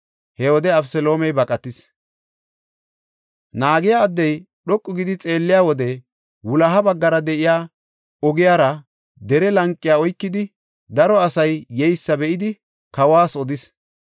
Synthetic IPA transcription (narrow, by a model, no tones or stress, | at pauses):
hɛwɔd̪ɛɐbsɛlo̞ːmɛjbɐkʼɐt̪ːɪs | naːɡɪjaːd̪ːɛj | ɗɔkʼːʊɡɪd̪ɪt͡sʼe̞ːlːɪjaːwɔd̪ɛ | wʊlɐɦɐbɐɡːɐɾɐd̪ɛʔɪjaː | ɔɡɪjaːɾɐ | d̪ɛɾɛlɐŋkʼːɪjaːɔjkːɪd̪ɪ | d̪ɐɾɔɐsɐjːɛjsːɐbɛʔɪd̪ɪ | kɐwaːsɔd̪ɪs